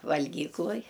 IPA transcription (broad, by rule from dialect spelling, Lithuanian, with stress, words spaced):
ʋɐlʲˈɡʲiːklˠʊj